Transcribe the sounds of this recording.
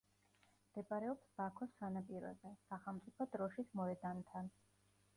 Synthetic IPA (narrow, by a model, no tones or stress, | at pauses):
md̪̥ɛpʼaɾɛɔpsbakʰɔsːanapʼiɾɔ̰ɛbɛsaχɛlˠmt̪sʼipʰɔd̪ɾɔʃismɔɛd̪ant̪ʰan